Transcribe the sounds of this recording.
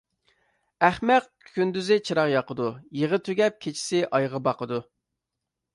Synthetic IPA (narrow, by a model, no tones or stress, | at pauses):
æχmɛq | kʲʰynd̪yzɪt͡ʃʰɨɾɑqjɑqəd̪ujeʁət̪ʰøɡʲɛp̚kʲʰet͡ʃʰi̥sɪʔɑjʁəbɑqʰəd̪u